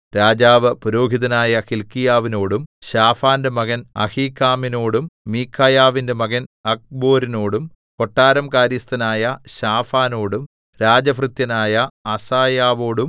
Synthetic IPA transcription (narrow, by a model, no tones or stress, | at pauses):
ɾaːd͡ʑaːʋɨpuɾo̞ːɡʱiðɐnaːjɐxilkːijaːʋino̞ːɽumɕaːfaːndemɐɣɐnɐ̰hiːkːaːminoːɽumːiːkʰːaːjaːʋinde̞mɐɣɐnɐk̚bo̞ːɾino̞ːɽum | koʈːaːɾɐmkaːɾjist̪ɐnaːjɐɕaːfaːno̞ːɽum | ɾaːd͡ʑɐfrɨt̪jɐnaːjɐɐsaːjaːʋo̞ːɽum